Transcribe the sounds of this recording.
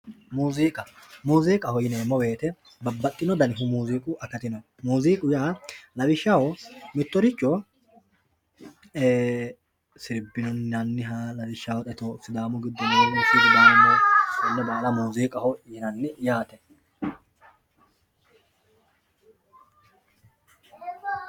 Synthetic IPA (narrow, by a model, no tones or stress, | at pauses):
muːziːkʼɐmuːziːkʼɐhɔjɪneːmːɔbe̞ːt̪ɛ | bɐbːɐt̪ʼːɪnɔd̪ɐnɪɦʊmuːziːkʼʊʔɐkɐt̪ɪnɔ | muːziːkʼʊjaːlɐbɪʃːawɔmɪt̪ːɔɾɪt͡ʃːɔ | e | sɪɾbːɪnɔnɐnːɪɦalɐbɪʃːaːwɔt̪ʼɛt̪ɔsɪd̪aːmʊɡɪd̪ːɔnoːnʊsidɪd̪aːmɪnɔsɔnːɛbaːlɐmuːzeːkʼɐhɔjɪnɐnːɪjaːt̪ɛ